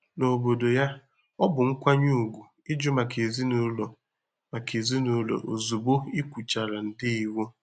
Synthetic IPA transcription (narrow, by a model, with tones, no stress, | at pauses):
no˨bo˨do˨ja˦ | ɔ˦bʊ˨ŋ̩˦kʷa˦ɲu˦u˨ɡʷu˨ | ɪ˦d͡ʒʊ˦ma˨kʰe˨zi˦nu˦lo˨ | ma˨ke˨zi˦nu˦lo̰˨ʔo̰˨zu˨bo˦i˦kʷu˨t͡ʃa˨ɾa˨n̩˨dɪ˦i˨wo˦